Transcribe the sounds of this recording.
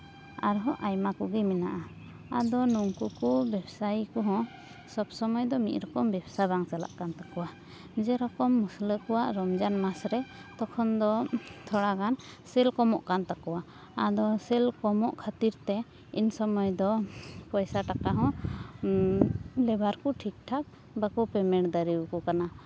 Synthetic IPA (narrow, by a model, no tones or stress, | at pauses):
aɾɦɔ̃ʔajmakuɡimɛnaʔa | ad̪ɔnuŋkukubɛbsajkɔɦɔ̃ | sɔbsɔmɔjd̪ɔmit̪̚ɾɔkɔmbɛbsabaŋsala̰ʔkant̪akɔwa | d͡ʒɛɾɔkɔmːusləkɔwaʔɾɔmd͡ʒanmasɾɛt̪ɔkʰɔnd̪ɔt̪ʰɔɽakan | sɛlkɔmɔʔkant̪akɔwa | ad̪ɔsɛlkɔmɔʔkʰat̪iɾt̪ɛ | insɔmɔjd̪ɔpɔjsaʈakaɦɔ̃ | lɛbaɾkɔʈʰik̚ʈʰak̚ | bakɔpɛmɛɽd̪aɾiwkɔkana